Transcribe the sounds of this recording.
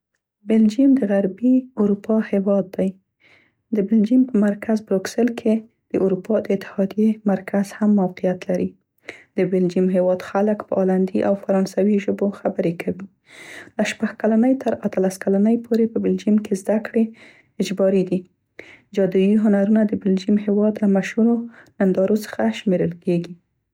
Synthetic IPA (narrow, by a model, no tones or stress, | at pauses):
bɪld͡ʒimd̪əɣaɾbiuɾupɑhewɑd̪ːaj | d̪əbɪld͡ʒimpəmaɾkʰazbɾoksɪlkʰe | d̪̥əʔuɾupɑd̪əɪt̪ːɪ̥hɑd̪jemaɾkaz̥hamːawqijat̪laɾi | d̪əbɪld͡ʒimɦewɑd̪xaləkpəʔɑland̪iʔawfaɾɑnsawiʒəboxabəɾekʰawi | laʃpaxkalanəjt̪ʰəɾat̪alaskalanəjpʰoɾepəbɪld͡ʒimkezd̪akɽe | ɪd͡ʒbɑɾid̪i | d͡ʒɑd̪ijiɦʊnaɾunad̪əbɪld͡ʒimɦewɑd̪lamaʃhuɾonand̪ɑɾosə̥xaʃmeɾəlkeɡi